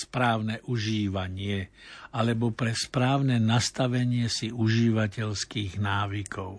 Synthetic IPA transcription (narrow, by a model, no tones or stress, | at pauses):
spɾaːʊnɛʔuʒiːʋaɲɪɛalɛbɔpɾɛspɾaːʊnɛnast̪aʋɛɲɪɛsiuʒiːʋacɛʎskiːɣnaːʋikʰɔʊ